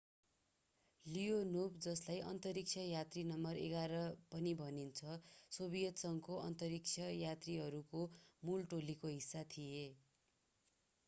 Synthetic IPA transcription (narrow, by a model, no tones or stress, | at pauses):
lijonobd͡zʌslajʔʌ̰nt̪ʌɾik̚t͡sʰʌjat̪rinʌmʌrḛɡaɾʌpʌnibʱʌnint͡sʰʌsobijʌt̪sʌŋkoʌ̰nt̪ʌɾik̚t͡sʰʌjat̪riɦʌɾukomulʈolikoɦisːat̪ʰije